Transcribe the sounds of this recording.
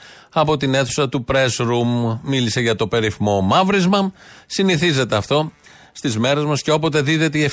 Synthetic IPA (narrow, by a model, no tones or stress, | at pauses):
ɐpo̞t̪ine̞θu̥sɐt̪upɾe̞sɾumːilise̞ʝɐt̪o̞pe̞ɾiθmo̞mɐvɾizmɐsiniθize̞t̪eɐft̪o̞ | st̪izme̞ɾe̞zmɐsceo̞po̞t̪̬e̞ðiðe̞t̪eief